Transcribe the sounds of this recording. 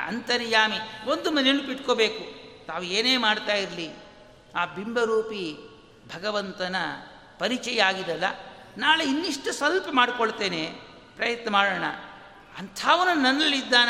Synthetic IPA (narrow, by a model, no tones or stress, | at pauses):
ɐ̰nt̪ɐɾijaːmiond̪umɐnenupiʈkobeːkut̪aːʋueːneːmaːɽt̪aːjiɾli | aːbimbɐɾuːpi | bʱɐɡɐʋɐnt̪ɐnɐ | pɐɾit͡ʃɛjɐaːɡid̪ɐlːɐ̰ | naːluinːiʂʈɐsɐlpɐmaːɽkoɭt̪e̞ːne | pɾɐjɐt̪nɐmaːɽoːɳɐ̰ | ɐnt̪ʰaːʋɐnːunɐnːɐlːid̪ːaːn